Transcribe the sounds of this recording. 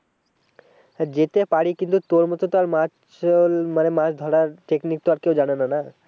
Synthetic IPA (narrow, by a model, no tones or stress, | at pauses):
d͡ʑet̪epaɽikint̪ut̪oɾmɔt̪ot̪oaɾmat͡ʃ | lmanemãt͡ɕd̪ʱɔɽaɾʈeknik̚t̪oaɾkewd͡ʒaɽ̃enana